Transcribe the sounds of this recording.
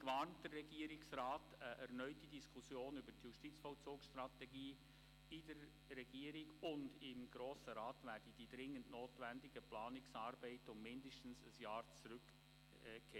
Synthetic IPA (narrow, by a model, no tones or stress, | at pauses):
kʋɑntd̥ərːɛɡ̥iːəɾɪksraːtəʔɛɾnœʏtid̥iskʰusjoːnybəɾtjuʃtit͡sfɔlt͡suːksʃtɾɑtɛɡiː | ɪdəɾː | ɛɡiːəɾɪɡʊndɪmɡɾoːsəɾɑːtʋæːɾd̥əd̥idɾɪŋːəntnoːtʋændɪɡəplɑːnɪksɑːɾbɛɪtʊmmɪndəʃtn̩səsjɑːɾt͡sɾʏkː | kʰːɛ